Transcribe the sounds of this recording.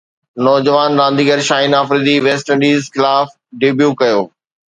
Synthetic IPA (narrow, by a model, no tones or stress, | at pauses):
nɔːd͡ʑəʋaːnɾãːnd̪iːɡəɾʃaːinaːfɾiːd̪iʋeːsʈə̃ɳɖiːzxɪlaːf | ɖɪbjuːkɐjoː